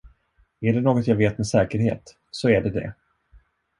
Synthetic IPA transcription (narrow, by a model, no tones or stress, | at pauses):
æɖɛnoːɡɔt̪jaːveːt̪mɛsɛːkəɾhḛːt̪ | sɔæɖɛd̪ɛ̰